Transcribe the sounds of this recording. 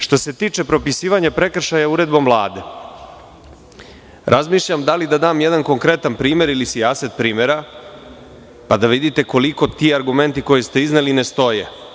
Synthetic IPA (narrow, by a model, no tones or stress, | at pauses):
ʃt̪o̞se̞t̪iːt͡ʃe̞pɾo̞pisiːʋaɲapɾe̞kr̩ʃajauɾe̞d̪bo̞mvlˠaːd̪e̞ | ɾʔazmiːʃʎamd̪alid̪ad̪aːmjed̪anko̞ŋkɾe̞t̪anpɾiːme̞ɾilisiaset̪pɾiːmeɾa | pad̪aʋid̪it̪e̞ko̞liko̞t̪iːaɾɡume̞nt̪iko̞jest̪e̞iznelinest̪o̞je